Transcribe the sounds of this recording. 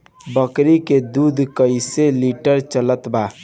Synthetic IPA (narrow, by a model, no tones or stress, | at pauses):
bəkɾiked̪ud̪ʱkəɪseliʈəɾt͡ʃələt̪ba